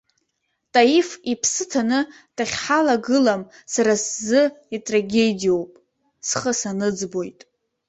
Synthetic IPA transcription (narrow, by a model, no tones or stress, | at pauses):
tʼajifipʰsɨtʰanɨ | tʰaχʲħalaɡɨlam | saɾaszɨitʼraɡʲe̞dijo̞wpʼ | sχəsanɨd͡zbo̞jtʼ